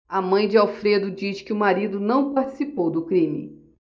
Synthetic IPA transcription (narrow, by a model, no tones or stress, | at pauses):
amɐ̃j̃d͡ʒɪawfɾed̪ʊd͡ʒisɪ̥kɪʊmaɾid̪ʊnɐ̃w̃paɾt͡ʃi̥sipowd̪ʊkɾĩmɪ̰